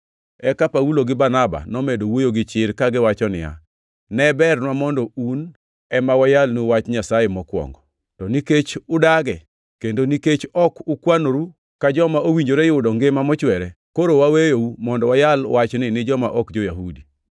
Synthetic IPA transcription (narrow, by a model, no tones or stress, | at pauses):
ɛkapauloɡɪbanaba̰nɔmedowojoɡɪt͡ʃɪɾkaɡɪwat͡ʃɔnɪ̰ja̰ | nɛbɛrnwamɔndɔun | ɛmawajalnuwat͡ʃɲasajemɔkwɔ̰ŋɡɔ | tɔniket͡ʃʊdaɡɛ | kendoniket͡ʃɔkʊkwanoɾu | kad͡ʒɔmaowiɲd͡ʒoɾɛjʊwdɔŋɡemamɔt͡ʃwɛɾɛ | koɾowawejoumɔndɔwajalwat͡ʃnɪnɪd͡ʒɔmaʔɔkd͡ʒojaɦudi